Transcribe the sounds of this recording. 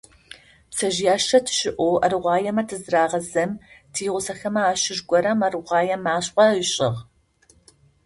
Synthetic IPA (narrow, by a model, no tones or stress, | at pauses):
psɐʒjaːʃɐtʰɨ̥ɕɪʔʷowʔɐrɨʁʷɑːjɛmɐtʰɨzɨraːʁɐzɐmtʰiːʁʷʊsɐxɐmɐaːʃɪʒɡʷɔɾɐmɐrɨʁʷɑːjɛmaːɕʼqʷʼɐəɕʼɪʁ